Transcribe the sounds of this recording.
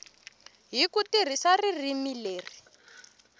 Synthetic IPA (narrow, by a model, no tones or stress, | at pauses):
ɦikutir̤isaririmileːri